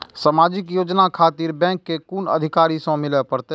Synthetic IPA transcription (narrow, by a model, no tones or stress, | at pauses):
səmaːd͡ʒɪkjoːd͡ʒnakʰaːt̪iɾbɛ̃ːŋkːekunə̰d̪ʱɪkaːɾisõmɪləpəɾt̪e